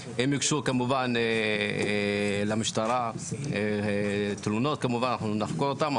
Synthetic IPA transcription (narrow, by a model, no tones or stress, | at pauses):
emikʃukamuvane | lamiʃt̪aɾae | t̪lunot̪̚kamuvananaχnunaχkoɾot̪am